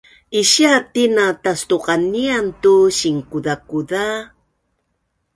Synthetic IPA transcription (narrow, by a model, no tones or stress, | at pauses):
iɕiatinatastuqaniantuɕiŋkuðakuða